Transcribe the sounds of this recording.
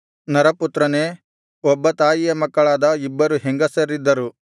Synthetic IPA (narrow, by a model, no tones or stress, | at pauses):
nɐɾɐput̪ɾɐneː | ɔbːɐt̪aːjijɐmɐkːɐɭaːd̪ɐibːɐɾuɦeŋɡɐseɾid̪ːɐɾu